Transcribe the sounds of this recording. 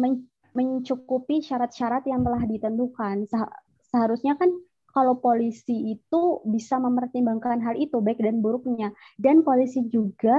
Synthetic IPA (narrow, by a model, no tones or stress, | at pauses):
mə | məɲt͡ʃukupiʃaɾat̪̚ʃaɾat̪jaŋt̪əlahdit̪ənd̪ukansəɦa | səɦaɾusɲakan | kalowpolisiːt̪ubisaməmpərt̪imbaŋkanɦalit̪ubaɪk̚danbuɾʊk̚ɲa | danpolisid͡ʒuɡa